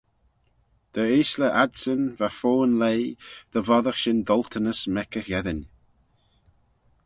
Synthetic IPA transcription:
d̪̥əeːsləʔadsənvafoːnlejd̪̥əvɔðəxʃɪnd̪ɔlt̪ʰənəsmɛkəxjɛðənʲ

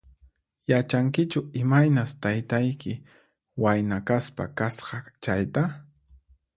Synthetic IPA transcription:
jat͡ʃaŋkɪt͡ʃʊɪmajnast̪ajt̪ajkɪ | wajnakaspa̰kasqɑt͡ʃajt̪a

